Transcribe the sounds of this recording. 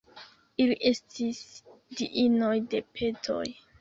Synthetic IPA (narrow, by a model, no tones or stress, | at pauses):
iliʔe̞stisdḭʔinojde̞pʰe̞tʰo̞̰j